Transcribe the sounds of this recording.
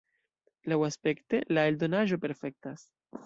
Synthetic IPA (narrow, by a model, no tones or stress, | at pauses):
lawaspe̞kte̞lae̞ldo̞naʒo̞pe̞ɾfe̞k̚tas